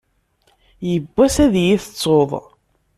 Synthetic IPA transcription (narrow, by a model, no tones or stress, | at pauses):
jəbːæsæðjiθə̥t͡sˤːoðˤ